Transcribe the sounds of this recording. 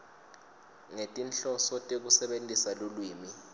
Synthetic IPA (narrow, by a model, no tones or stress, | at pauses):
ŋetʼinɬɔsɔtʼek̬usɛɓentʼisalolwiːmi